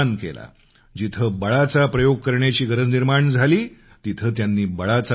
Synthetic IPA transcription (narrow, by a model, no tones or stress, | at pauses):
ankḛla̰ | d͡ʑit̪ʰəbəɭat͡sapɾəjoɡ̚kəɾɳjat͡ɕiːɡəɾəd͡zniɾmaɳd͡zʱaliː | t̪it̪ʰəːt̪janːiːbəɭat͡sa